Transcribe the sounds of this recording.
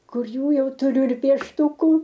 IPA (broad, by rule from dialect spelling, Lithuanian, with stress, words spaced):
ˈkʊr ˈjuː ˈjɛʊ tʊˈrʲʊ ɪr pʲiɛʃˈtʊkʊ